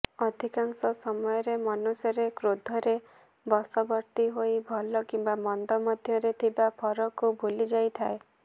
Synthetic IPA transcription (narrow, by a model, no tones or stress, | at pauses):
ɔd̪ʱikaŋsɔsɔmɔjɔɾemɔnusjɔɾekɾod̪ʱɔɾe | bɔsɔbɔɾt̪iɦojbʱɔlɔkimbamɔnd̪ɔmɔd̪ʱjɔɾet̪ʰibapʰɔɾɔkubolid͡ʒajt̪ʰae